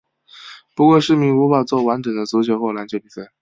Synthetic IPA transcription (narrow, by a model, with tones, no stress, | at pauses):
pu˧˥kwɔ˥˧ʂɻ̩˥˩mi˧˥ŋwu˧˥fa˨˩t͡swɔ˥˩wa˧˥nʈ͡ʂɤ˨˩ŋd̪ə˦t͡su˧˥t͡ɕʰjo˧˥ʊxwo˥˩la˧˥nt͡ɕjo˥˧ʊpi˥˩fa˥˩